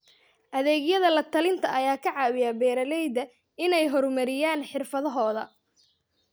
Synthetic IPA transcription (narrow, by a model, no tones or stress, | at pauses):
ʔɐðɛːɣjɐðɐlɐt̪ʰɐlɪnt̪ʰɐʔɐjaːkʰɐʕɑːwɪjɐbɛːɾɐlɛjd̪ɐ | ɪnɛjɦɔrmɐɾɪjaːnħɪrfɐðɔɦɔːðɐ̰